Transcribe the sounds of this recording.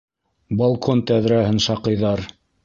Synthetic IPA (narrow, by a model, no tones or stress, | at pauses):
balˠkʰont̪æðɾæhɘnʃɑqɤ̆jðɑɾ